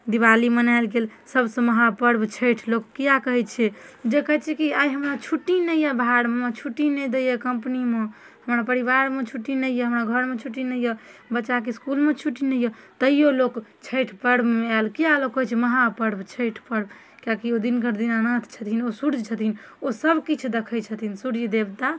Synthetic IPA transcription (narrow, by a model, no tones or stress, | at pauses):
d̪iβalimənaɪlɡelsəbsə̃məɦapəɽbt͡ʃʰəʈʰlokːijakəɦɛt͡ʃʰɛd͡ʒekəɦɛt͡ʃʰɛkiaiɦəmɾat͡ʃʰuʈːinəjəbʱaɽmet͡ʃʰuʈinɛd̪ejəkəmpnime | həmɾapəɾiβaɾmet͡ʃʰuʈːinəjəɦəmɾaɡʱəɾmet͡ʃʰuʈːinəjəbətːʃak̬eskulmet͡ʃʰuʈinəjət̪əijolokt͡ʃʰəjʈʰpəɽeɛlkijalokːəɦɛt͡ʃʰɛməɦãpəɽbt͡ʃʰəjʈʰpəɽb | kakiod̪inkəɾd̪inanət̪ʰt͡ʃʰət̪ʰinosuɽd͡ʒt͡ʃʰət̪ʰin | osəbkit͡ʃʰud̪ekʰəjt͡ʃʰət̪ʰinsuɽd͡ʒd̪ebt̪a